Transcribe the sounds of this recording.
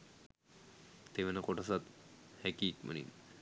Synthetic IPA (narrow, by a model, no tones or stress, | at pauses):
t̪eʋenakoʈasat̪hɛkiːkmə̰nḭn